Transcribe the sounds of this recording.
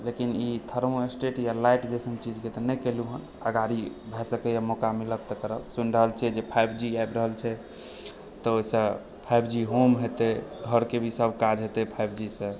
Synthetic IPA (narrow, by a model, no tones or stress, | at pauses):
lekinit̪ʰəɾmoesʈeʈjalajʈd͡ʒesə̃ŋɡt͡ʃid͡ʒket̪ənɛjkeluɦən | əɡaɾibʱɛsəkɛjamɔkamiləb̚t̪əkəɾəbsunɾəɦəlt͡ʃʰiɛd͡ʒepʰajbʱd͡ʒiajbɾəɦəlt͡ʃʰɛ | t̪ɔoisə̃ | pʰajbʱd͡ʒiɦomɦet̪eɡʱəɾkebʱisəbʱkad͡ʒɦet̪ɛpʰajbʱd͡ʒisə̃